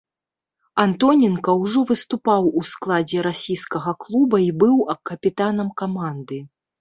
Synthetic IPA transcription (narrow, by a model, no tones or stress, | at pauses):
ant̪ɔnʲɛnkɐwʐɔvɨst̪upawusklˠad͡zʲɛɾasʲijskɐɣɐklˠubɐibɨwɐkɐpʲit̪anɐmkamand̪ɨ